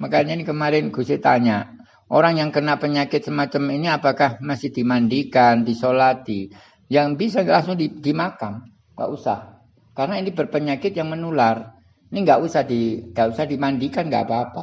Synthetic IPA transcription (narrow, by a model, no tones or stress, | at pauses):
məkaɲainikəmaɾɪnɡ̥usɪt̪aɲa | ʔoɾaŋjaŋkənapəɲakɪt̪̚səmat͡ʃaminiapakahmasɪhdimandikandisolat̪i | jaŋbis̬alaŋsʊŋdidimakam | ɡa̰ʔusa̰h | kaɾənainibərpəɲakɪt̪̚jaŋmənular | iniŋɡaʔusahdiŋɡaʔusahdimandikanŋɡa̰ʔpaːpa